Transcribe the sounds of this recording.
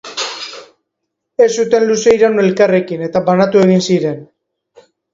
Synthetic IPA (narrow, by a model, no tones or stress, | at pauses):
e̞sut̪e̞nluse̞jɾanue̞lkare̞kine̞t̪aβanat̪ue̞ɣinsiɾe̞n